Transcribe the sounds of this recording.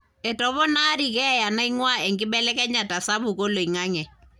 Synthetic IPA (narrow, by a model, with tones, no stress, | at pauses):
ɛ˨tɔ˨βɔ˦na˦ɾi˨kɛ˦˨ja˨na˦i˦ŋwa˦ɛ˨ŋɡɪ˦ɓɛ˦lɛ˦kɛ˦ɲa˨ta˨sa˦bu˨ko˦lo˨i˨ŋa˦ŋɛ˨